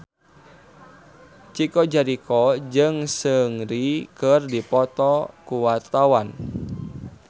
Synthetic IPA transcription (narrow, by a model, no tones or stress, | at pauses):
t͡ʃikɔd͡ʒaɾikɔd͡ʒɨŋsəŋɾikərdipɔt̪ɔkuwat̪awan